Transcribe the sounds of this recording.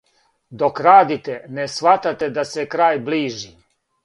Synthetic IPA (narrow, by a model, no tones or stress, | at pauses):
d̪okɾaːd̪it̪enesʋat̪at̪ed̪asekɾaːjbliːʒi